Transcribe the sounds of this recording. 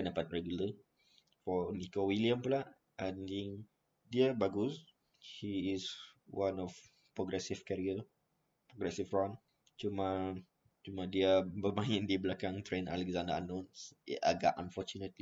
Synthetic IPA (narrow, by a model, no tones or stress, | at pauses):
kəndapat̚ɹɛɡjulə | fɔnikowiliəmpulaʔ | andiŋ | diəbaɡus | hiːswãnɔf | pɹɔɡɾɛsifkɛɹiə | pɹɔɡɾɛsifɹãn | t͡ʃumã | t͡ʃumãdiəbəmãjĩndiblakãŋt̪ɾẽna̰lɛkzãndəanɔ̃nsḭaɡa̰ʔãnfɔt͡ʃunət̪̚li